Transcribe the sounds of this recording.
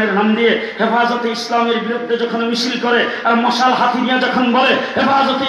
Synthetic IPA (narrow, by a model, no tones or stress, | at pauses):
eɾnamd̪ije | hefazɔt̪eislameɾbiɾud̪ʱːed͡ʒɔkʰonmisilkɔɾe | aɾmɔsalɦat̪ʰinijad͡ʒɔkʰonbɔleɦefazɔt̪e